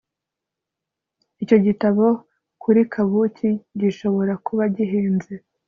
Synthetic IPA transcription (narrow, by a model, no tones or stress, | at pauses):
ico̞ɟitaβo̞ | kuɾikʰaβuciɟiʃo̞βo̞ɾakuβaɟiɦiːnze